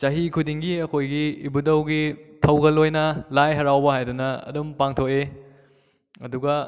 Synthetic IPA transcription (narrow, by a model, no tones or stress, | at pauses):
t͡ʃɐɦikʰudiŋɡiɐkʰojɡḭːbudɐwɡitʰɐwɡɐlojnɐlajɦɐɾawbɐɦajdunɐɐ̰dumpaŋtʰoke | ɐduɡɐ